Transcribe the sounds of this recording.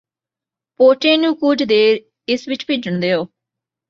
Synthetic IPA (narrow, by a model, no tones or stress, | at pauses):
poːʈeːnũːkʊd͡ʒd̪eːɾ | ɪsʋɪt͡ʃpiːd͡ʒʊɳd̪eːoː